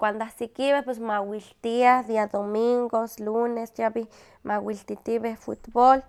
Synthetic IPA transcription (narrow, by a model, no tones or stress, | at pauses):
kʷand̪oahsikiβehpwes̬mawilt̪iahðiaðomiŋɡoslunesjaβi | mawilt̪it̪iβehfṵt̪bol